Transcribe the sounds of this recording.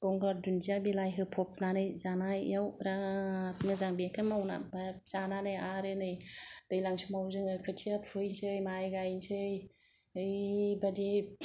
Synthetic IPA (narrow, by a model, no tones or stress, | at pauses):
ɡ̥ɔŋɡaɾdundijabilajɦɯpʰɔpnanɯjzanajjawɾapʰnɯzaŋbekʰɯmawna̰baz̥ananɯjaɾɯnɯjd̥ɯjlaŋsumawzɯŋɯkʰɯtʰiapʰɯjnsɯjmajɡajnsɯj | ɯjbadi